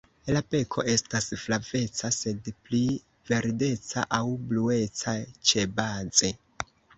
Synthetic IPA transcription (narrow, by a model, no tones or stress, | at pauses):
lape̞kʰo̞̰ʔe̞stasflave̞t͡sase̞dpli | ve̞ɾde̞t͡sa̰ʔawblue̞t͡sat͡ʃe̞bad͡ze̞